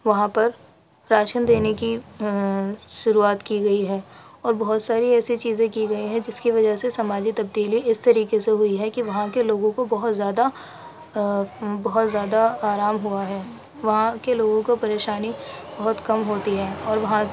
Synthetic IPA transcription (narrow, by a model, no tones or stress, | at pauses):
ʋɐɦãpɐɾ | ɾaːʃənd̪eːneki | ʃʊɾuaːt̪kiɡɐiɦɛːɔːɾbɐɦʊt̪saːɾiɛːsit͡ʃiːzẽkiɡɐiɦɛ̃d͡ʒɪskiʋɐd͡ʒəɦsesɐmaːd͡ʒit̪ɐb̚d̪iːliɪst̪ɐɾiːkeseɦʊiɦɛkiʋɐɦãkeloːɡõkobɐɦʊt̪zjaːd̪a | bɐɦʊt̪zjaːd̪aaːɾaːmɦuaɦɛː | ʋɐɦãkeloːɡõkopɐɾeːʃaːnibɐɦʊt̪kɐmɦoːt̪iɦɛːɔːɾʋɐɦã